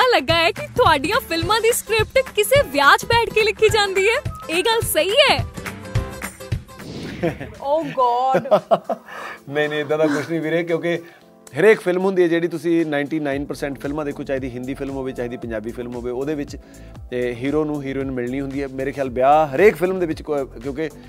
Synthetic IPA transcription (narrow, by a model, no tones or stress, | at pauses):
ãləɡːaːɛːkɪt̪ʊaːɖijãːpʰɪlmãːd̪iːskɾɪp̚ʈkɪseːʋjaːd͡ʒbɛːʈʰkeːlɪkʰːiːd͡ʒãːnd̪iːɦɛːeːɡəlsəiːɛː | oːɡɔːɖ | nəiːnĩːɪd̪ãːd̪aːkʊt͡ʃʰnĩːbiːɾɛːkjõːke | ɦəɾeːkpʰɪlmɦʊ̃nd̪iːɛːd͡ʒeːɽiːt̪ʊsĩːnaːɪɳʈiːnaːɪnpəɾsɛ̃ːɳʈpʰɪlmãːd̪eːkʰːoːt͡ʃaːɦiːd̪iːɦɪ̃nd̪iːpʰɪlmɦoːʋeːt͡ʃaːiːd̪iːpəɲd͡ʒaːbiːpʰɪlmɦoːʋeːoːd̪eːʋɪt͡ʃ | ɦiːɾoːnũːɦiːɾoːɪnmɪlniːɦʊnd̪iːɦɛːmeːɾeːkʰjaːlbjaːɦəɾeːkpʰɪlmd̪eːʋɪt͡ʃkjõːkɪ